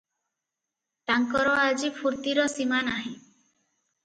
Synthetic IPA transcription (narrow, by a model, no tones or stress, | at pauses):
t̪aŋkɔɾɔad͡ʒipʰuɾt̪iɾɔsimanaɦĩ